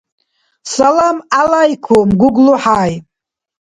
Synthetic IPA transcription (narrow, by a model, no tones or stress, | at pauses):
salamalajkʷʰomɡʷʊɡluħaːj